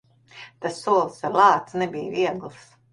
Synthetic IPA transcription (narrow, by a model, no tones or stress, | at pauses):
t̪asːuɔlˠsaɾlˠɑːt̪snɛbijviɛɡlˠs